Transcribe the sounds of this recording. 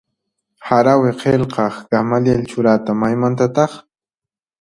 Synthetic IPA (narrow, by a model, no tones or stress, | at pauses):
haɾawɪqʰelqɑχɡ̥amaljelt͡ʃʊɾat̪amajmant̪at̪ɑχ